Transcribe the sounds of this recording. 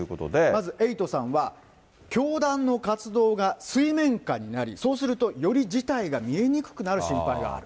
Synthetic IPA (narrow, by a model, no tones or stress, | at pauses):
ɯ̟kot̪o̰d̪emazɨʔe̞it̪o̞sãɰ̃βa | kʲo̞ːd̪ãnːo̞kat͡sɨd̪o̞ːɡasɨimẽ̞ŋkaɲ̟inaɾʲḭso̞ːsɨɾɯ̟t̪o̞jo̞ɾʲid͡ʑit̪aiɡamʲie̞ɲ̟ikɯ̟̥kɯ̟naɾɯ̟ɕĩmpaiɡa̰ːɾɯ̟